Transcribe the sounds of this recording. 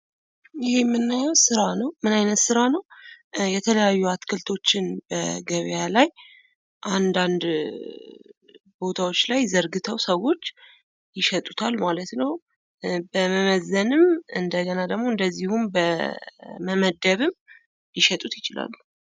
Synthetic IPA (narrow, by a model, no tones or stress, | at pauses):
jɪhe̞mːɨnːajɛwsɨɾanəwmɨnajnət̪sɨɾanəwjɛt̪ʰələjajːuat̪kʰɨlt̪ʰo̞t͡ʃːɪnbə̰ɡəβjalaj | ʔand̪and̪ | bo̞t̪ʰawo̞t͡ʃːlajzəɾɡɨt̪ʰəwsəwːo̞t͡ʃː | jɪʃɛt̪ʼut̪ʰalmalət̪nəw | bəməməzːənɨmɨnd̪əɡənad̪əɡmoɨnd̪əzːihumbə | məməd̪əβɨm | jɪʃɛt̪ʼut̪jɪt͡ʃɪla̰lːu